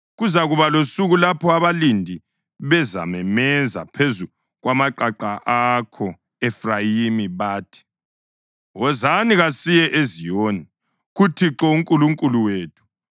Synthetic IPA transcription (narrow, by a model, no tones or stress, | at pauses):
ɣuzaɣuβalosuɣulapʰɔaβalindʱi | βɛza̰mɛmɛza̰pʰezu | ɣwamaǃaǃaʔakʰɔ | ɛfrajimiβaːtʰi̥ | wɔzaniɣasijɛʔezijoːni | ɣutʰiǁɔuŋkʼuluŋkʼuluweːtʰu̥